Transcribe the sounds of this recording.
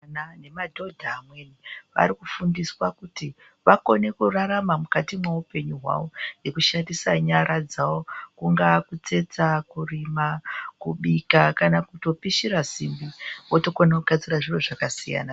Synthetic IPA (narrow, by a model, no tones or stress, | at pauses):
nane̞madʱo̞dʱaːmwe̞niʋa̰ɾikufundiswakuti | ʋako̞ne̞kuraɾamamukatimweupe̞ɲuɦwa̰wo̞nje̞kuʃandisaɲaɾʔad͡zawo̞kuŋɡakut͡se̞t͡sakurimakuɓikakanakuto̞piʃiɾasimbiwoto̞konakuɡ̥ʱad͡ziɾaʐiroʐakasija̰na